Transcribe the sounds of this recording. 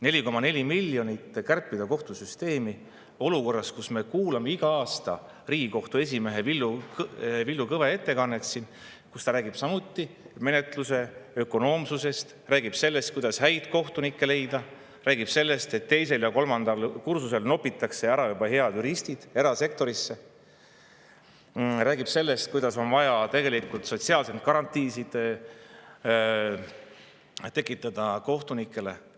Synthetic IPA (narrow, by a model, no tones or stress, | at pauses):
ne̞lʲiko̞mɑne̞lʲimilʲːjo̞nit̪ːˑkærpːˑid̪̥ɑko̞ht̪usyst̪e̞ːmi | o̞luko̞rːɑskusme̞kuːlɑme̞iɡ̥ɑɑːst̪ɑ̰ | riːɡiko̞ht̪ue̞s̬ʲime̞ɦe̞vilːukvilːukɤve̞e̞t̪ːe̞kɑnːe̞t̪sin | kust̪ɑɾæːɡib̥sɑmut̪ˑːi | me̞net̪luse̞ø̞ko̞no̞ːmsuse̞st̪ | ræːɡib̥se̞lːest̪̚kujd̪̥ɑshæjt̪ko̞ht̪unikˑːe̞le̞jd̪ɑ | ræːɡ̥ib̥se̞lːe̞st̪e̞t̪ːe̞jse̞ljɑko̞lmɑnd̪̥ɑlkursuse̞lno̞pːˑit̪ːˑɑkse̞æɾɑjubɑhe̞ɑd̪yɾist̪id̪̥e̞ɾɑse̞k̚t̪o̞ɾisːe̞ | ræːɡib̥se̞lːest̪̚kujd̪̥ɑso̞nvɑjɑt̪e̞ɡe̞likult̪so̞t̪siɑːlsemt̪̚kɑɾɑnt̪ˑːiːsid̪̥ | t̪e̞kːˑit̪ːˑɑd̪̥ɑko̞ht̪unikːˑe̞le̞